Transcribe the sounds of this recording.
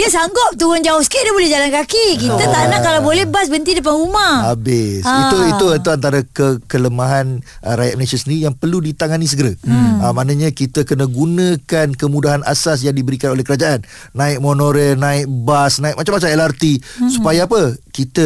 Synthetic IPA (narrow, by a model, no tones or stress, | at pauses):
diəsaŋɡɔp̚t̪uand͡ʒaʊhsə̥kidiabolɛhd͡ʒalankakik̬it̪ət̪anãʔkːalawbolɛhbasbənt̪idəp̬anumahabɪsiuiuant̪uant̪aɾakəkələmãɦanəɾaja̰ʔ̚məlesiasəndəijaŋpərludit̪aŋanis̬əɡəɾaəmanãɲãkit̪əkənə̃ɡunə̃kankəmudaɦana̰sas̬jaŋdibəɾikanolɛhkəɾad͡ʒaʔanː | ãɪk̚monoɾəlnãɪʔ̚basnãɪʔ̚mat͡ʃamat͡ʃamɛlart̪isu̥pajaːpəkit̪ə